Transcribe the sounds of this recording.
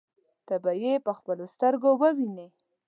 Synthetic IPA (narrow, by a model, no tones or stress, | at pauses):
t̪abajepəxpəlost̪əɾɡowəwine